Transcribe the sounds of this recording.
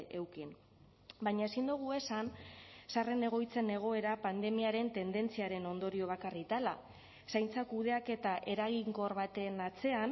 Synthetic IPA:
e̞wkin | baɲaesind̪uɣ̞ue̞sansare̞ne̞ɣ̞o̞jt͡se̞ne̞ɣ̞o̞e̞ɾapand̪e̞miaɾe̞nt̪e̞nd̪e̞nt͡siaɾe̞no̞nd̪o̞ɾio̞β̞akarit̪ala | sajnt͡sakuð̞e̞ake̞t̪aʔe̞ɾaɣ̞iŋɡo̞ɾβat̪e̞nat͡se̞an

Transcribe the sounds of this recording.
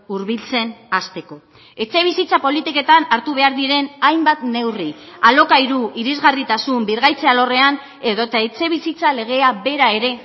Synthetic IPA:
uɾβilt͡se̞nast̪e̞ko̞ | e̞t͡se̞β̞isit͡sapo̞lit̪ike̞t̪anaɾt̪uβe̞aɾðiɾe̞najmbat̪ne̞wrialo̞kaiɾuʔiɾizɣarit̪asumbiɾɣajt͡se̞alo̞re̞an | e̞ðo̞t̪aet͡se̞β̞isit͡sale̞ɣ̞e̞abe̞ɾae̞ɾe̞

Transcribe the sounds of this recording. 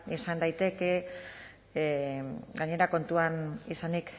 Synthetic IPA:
isand̪ajt̪e̞ke̞ | ɡaɲe̞ɾako̞nt̪uanisanik

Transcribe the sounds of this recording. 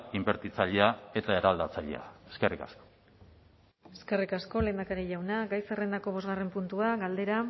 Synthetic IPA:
imbe̞ɾt̪it͡saʎeae̞t̪ae̞ɾald̪at͡saʎḛa̰eske̞rika̰sko̥ | eske̞rikasko̞le̞ːnd̪akaɾeʎawnaɡajsere̞nd̪ako̞β̞o̞zɣare̞mpunt̪uaɡald̪e̞ɾa

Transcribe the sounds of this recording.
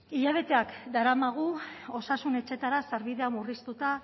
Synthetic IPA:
iʎaβ̞e̞t̪e̞akd̪aɾamaɣ̞uo̞sasune̞t͡ʃe̞t̪aɾasaɾβiðe̞amurist̪ut̪a

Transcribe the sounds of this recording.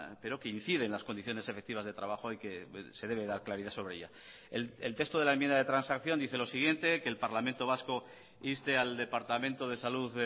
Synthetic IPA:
pe̞ɾo̞ke̞in̟θiðe̞ːnlasko̞nd̪iθjo̞ne̞se̞fe̞k̚t̪iβazðe̞t̪ɾaβaxoajke̞se̞ðe̞βe̞ðaɾklaɾiðaso̞β̞ɾeeʝa | elt̪e̞kst̪oð̞e̞laemjẽnd̪aðe̞t̪ɾansakθjo̞nd̪iθe̞lo̞siɣ̞je̞nt̪e̞ke̞ːlpaɾlamẽnt̪o̞β̞asko̞ | ist̪e̞ald̪e̞paɾt̪amẽ̞nt̪o̞ðesaluðe

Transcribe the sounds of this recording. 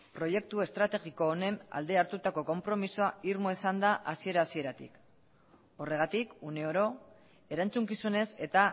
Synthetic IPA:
pɾo̞je̞k̚t̪ue̞st̪ɾat̪e̞ɣiko̞ːne̞na̰ld̪e̞aɾt̪ut̪ako̞ko̞mpɾo̞misoaiɾmoisand̪aʔasie̞ɾaːsie̞ɾat̪ḭk | o̞re̞ɣat̪ikune̞o̞ɾo̞ | e̞ɾant͡suŋkisune̞se̞t̪a

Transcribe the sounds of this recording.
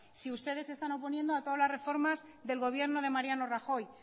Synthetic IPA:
siust̪e̞ðe̞se̞st̪ano̞po̞nje̞nd̪oat̪oðalasre̞fo̞ɾmaz | ðe̞lɣo̞β̞je̞ɾno̞ð̞e̞maɾjano̞raxo̞j

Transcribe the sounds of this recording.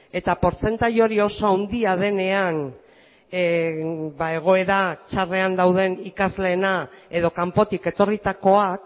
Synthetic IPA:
e̞t̪apo̞ɾt͡se̞nt̪aɾjo̞ɾio̞so̞awnd̪iaðe̞ne̞an | bae̞ɣ̞o̞e̞ɾat͡ʃare̞and̪awð̞e̞nikazle̞ːnae̞ð̞o̞kampo̞t̪ike̞t̪o̞rit̪ako̞ak

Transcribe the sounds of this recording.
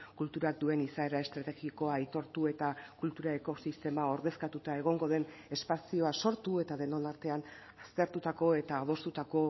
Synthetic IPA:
kult̪uɾak̚d̪ue̞nisae̞ɾae̞st̪ɾat̪e̞ɣiko̞aːjt̪o̞ɾt̪ue̞t̪akult̪uɾaeko̞sist̪e̞mao̞ɾðe̞skat̪ut̪ae̞ɣ̞o̞ŋɡo̞ð̞e̞n | e̞spasio̞aso̞ɾt̪ue̞t̪aðe̞no̞naɾt̪e̞an | ast̪e̞ɾt̪ut̪ako̞e̞t̪aoð̞o̞st̪ut̪ako̞

